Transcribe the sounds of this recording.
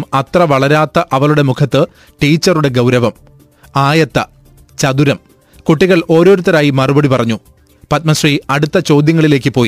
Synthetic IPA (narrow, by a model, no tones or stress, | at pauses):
mɐt̪rɐʋɐɭɐɾaːt̪ːɐʔɐʋɐɭuɽe̞mukʰɐt̪ːɨ | ʈiːt͡ɕːɐruɽe̞ɡɐwɾɐʋɐm | aːjɐt̪ːɐ | t͡ɕɐd̪uɾɐm | kuʈːiɣɐɭo̞ːɾo̞ːɾut̪ːɐɾaːjimɐrubɐɽipɐrɐɲːu | pɐt̪̚mɐsriɐɽut̪ːɐt͡ɕo̞ːd̪ʱjɐŋːɐɭile̞ːk̬ːɨpo̞ːji